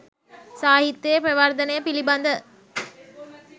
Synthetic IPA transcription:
saːɦit̪ːjejəpɾeʋard̪ənəjəpiliband̪ə

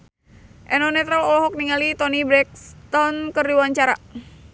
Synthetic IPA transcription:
ʔɛnɔnɛt̪ɾəlɔlɔɦɔk̚niŋalit̪ɔnibɾɛk̚st̪ɔnkərdiwaɲt͡ʃaɾa

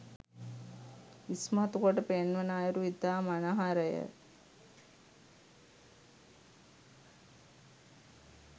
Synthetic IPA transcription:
ismɐɦɐt̪ukoʈəpenʋɐnaːjɐɾuit̪aːmɐnaɦaɾəjə̰

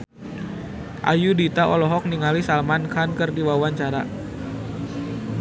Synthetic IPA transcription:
ʔa̰judit̪aʔɔlɔɦɔk̚niŋalisalmankankɨrdiwawaɲt͡ʃaɾa̰

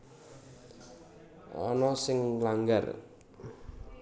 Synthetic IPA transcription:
ʔɔ̰nɔsɪŋlaŋɡa̰r

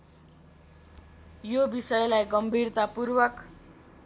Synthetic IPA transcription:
jobisʌjlajɡʌmbʱirt̪apurwʌk

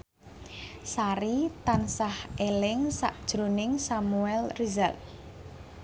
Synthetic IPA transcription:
saɾit̪ansahelɪŋsa̰ʔd̥ʒ̥ɾonɪŋsamuɛlrizal

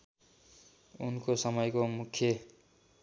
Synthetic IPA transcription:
unkosʌmʌjkomukʰːje

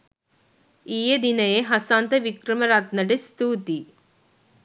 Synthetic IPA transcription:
iːjɐd̪inɐjeɦɐsaːnt̪ɐʋikɾɐmɐɾaːt̪̚nɐɖest̪uːt̪i

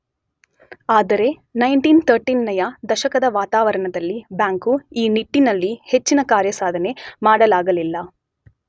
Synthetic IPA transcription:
aːd̪ɐɾe̞nɐjɳʈint̪ʰɐɾʈinːɐjɐd̪ɐʃɐkɐd̪ɐʋaːt̪aːʋɐɾɐɳɐd̪ɐlːibjaːŋkuiːniʈːinɐlːihe̞t͡ʃːinɐkaːɾjɐsaːd̪ʱɐne̞maːɽɐlaːɡɐlilːɐ

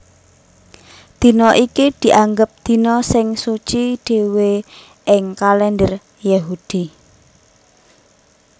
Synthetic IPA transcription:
d̪̥i̤nɔʔikid̪̥i̤ʔaŋɡəp̚d̪̥i̤nɔsɪŋsut͡ʃiɖ̥e̤we | ʔɪŋkalɛndər | jaɦud̪̥i

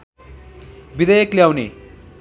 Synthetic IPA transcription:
bid̪ʌjʌkljawnḛ

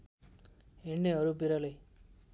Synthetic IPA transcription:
ɦeɳneɦʌɾubiɾʌlʌj

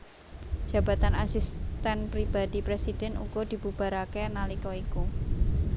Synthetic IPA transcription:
d̥ʒ̥ä̤ba̤t̪anasist̪ɛnpɾib̥adipɾesid̥ɛ̤nṵɡ̥ɔd̪̥i̤b̥ub̥a̤ɾakenalikɔiku

